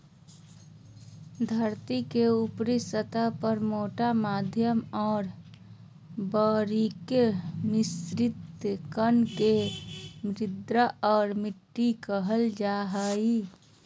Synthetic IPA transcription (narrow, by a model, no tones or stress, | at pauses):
d̪ʱəɾt̪ikeupɾisət̪apəɾmoːʈamaːd̪ʱjəmɔːɾ | bəɾikjnɪsɾɪt̪kənkemɾɪd̪ɾəɔːɾmɪʈːikəɦəld͡ʒaɦəi